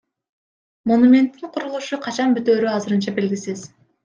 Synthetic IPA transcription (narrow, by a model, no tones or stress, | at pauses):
mo̞numʲe̞nt̪ːiɴqʰuɾulˠuʃuqʰɑt͡ʃɑnbyt̪øːɾyɑzɯɾɯnt͡ʃɑbe̞lɡʲisiz